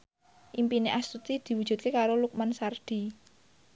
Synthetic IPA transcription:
ʔimpineʔast̪ut̪id̪̥i̤wud̥ʒ̥ṳt̪̚kekaɾoluk̚mansard̪̥i̤

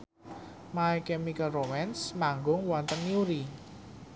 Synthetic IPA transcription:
maɛkɛmikəlromɛnsmaŋɡʊŋwɔnt̪ənːiuɾi

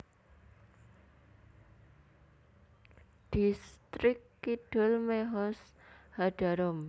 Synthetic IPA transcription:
ɖ̥ist̪ɾɪkːiɖ̥ɔlmeɦɔs | haɖ̥aɾɔm

